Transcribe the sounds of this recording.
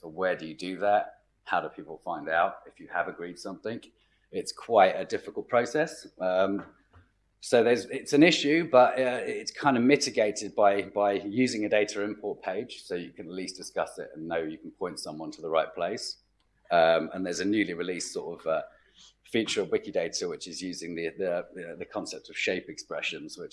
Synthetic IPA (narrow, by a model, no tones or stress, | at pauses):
səʊwɛːdəjədɨðət̚ | haʊɾəpʰiˑpəl̩ˠfãɪ̃ndaʊtɪfjəəvəɡɹiːd̥sʌ̃mθɪ̃ŋ | ɪtskʰw̥aɪtədɪfɪkəlˠpʰɹ̥əʊsɛsʌ̃m | soʊðəzɪtsə̃nɪʃʉbʌtʌɪtskʰãɪ̃ndəmɪtɪɡeɪtɪd̚baɪb̥aɪjʉːzɪ̃ŋədeɪtʰəɹɪ̃mpʰɔˑʔ̚pʰeɪd̥ʒ̥səʊjəkʰə̃nəʔliˑsd̥ɪskʌsɪ̰tə̰̃nːəʊjəkʰə̃npʰɔ̃ɪ̃ntsʌ̃mwɒ̃ntʰəðəɹaɪʔ̚pʰl̥eɪs | ʌ̃mə̰̃nðəzənjʉːliɹɪliˑssɔ̰ˑtəv̥ʌ | fjʉˑt͡ʃəɹəlˠwɪkideɪtʰəwɪt͡ʃɪzjʉːzɪ̃ŋðiðəðəkʰɒ̃nsɛp̚təv̥ʃeɪpɛkspɹɛ̰ʃə̃nz̥wɪt͡ʃ